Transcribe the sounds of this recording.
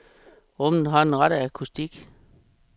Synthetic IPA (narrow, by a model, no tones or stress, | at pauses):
ʁɔ̽mn̩ɦɑ̈e̝nʁɑɾ̥əækʰusd̥iɡ̥